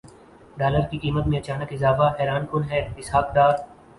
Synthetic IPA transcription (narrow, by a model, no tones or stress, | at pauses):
ɖaːləɾkikiːmət̪mẽɐt͡ʃaːnəkɪzaːfaɦɛːɾaːnkʊnɦɛːɪsɦaːk̚d̪aːɾ